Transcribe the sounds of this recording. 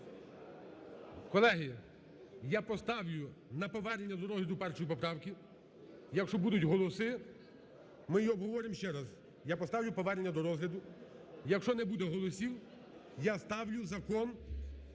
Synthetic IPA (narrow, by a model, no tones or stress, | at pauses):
kɔlˠɛɦɪ | japɔst̪ɑwlʲʊnɐpɔʋɛɾʲenʲːɐd̪ɔɾɔzɦlʲɐd̪ʊpɛrt͡ʃɔjipɔpɾɑwkʲi | jɐkʃɔbud̪ʊtʲɦɔlˠɔsɪ | mɪjɔbɦɔʋɔɾɪmʃt͡ʃɛɾɐz | japɔst̪ɑwlʲʊpɔʋɛɾenʲːɐd̪ɔɾɔzɦlʲɐd̪ʊ | jɐkʃt͡ʃɔnɛbud̪ɛɦɔlˠɔsʲiw | jast̪ɑwlʲʊzɐkɔn